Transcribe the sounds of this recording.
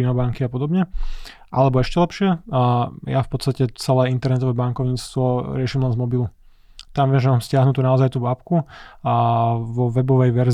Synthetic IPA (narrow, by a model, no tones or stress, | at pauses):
inɔbaŋkiapɔd̪ɔbɲɛ | ʔalɛbɔɛʃcɛlɛpʃɪɛ | jafpɔt̪t͡sst̪acɛt͡sɛlɛːint̪ɛɾnɛt̪ɔʋɛːbaŋkɔʊɲiːt͡st̪ʋɔɾɪɛʃiːmlɛnzmɔbilu | t̪amʋɪɛmʒɛmaːmscɪaɦnut̪uːnaɔzajt̪uːʋapku | ʋɔʋɛbɔʋɛjʋɛɾz